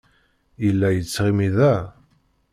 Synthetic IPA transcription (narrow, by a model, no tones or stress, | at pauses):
jəlːæjət͡sːʁimiðæ